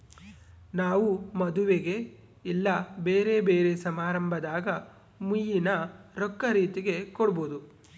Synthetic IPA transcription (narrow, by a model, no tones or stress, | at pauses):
naːʋumɐd̪uʋeɡe̞ | ilːɐbeːɾe̞be̞ːɾe̞sɐmaːɾɐmbʱɐd̪aːɡɐ | mujinɐɾɔkːɐɾiːt̪iɡe̞kɔɽɐboːd̪u